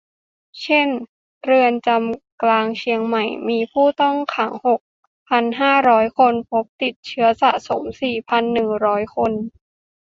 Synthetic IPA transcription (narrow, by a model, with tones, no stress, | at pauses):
t͡ɕʰe˥˩n | ɾɯ˧ənt͡ɕa˧mklaː˧ŋt͡ɕʰi˧əŋma˨˩jmiː˧pʰuː˥˩t̪ɔ˥˩ŋkʰa˩˦ŋho˨˩k̚ | pʰa˧nɦaː˥˩ɾɔː˦˥jkʰo˧npʰo˦˥p̚t̪i˨˩t̪̚t͡ɕʰɯ˦˥ɐsa˨˩so˩˦msiː˨˩pʰa˧nːɯ˨˩ŋɾɔː˦˥jkʰo˧n